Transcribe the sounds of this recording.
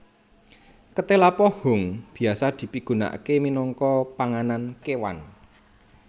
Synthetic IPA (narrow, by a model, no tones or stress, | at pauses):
kət̪elapɔhʊ̤ŋb̥i̤asad̪̥i̤piɡ̥ṳna̰keminɔŋkɔpaŋanankewa̰n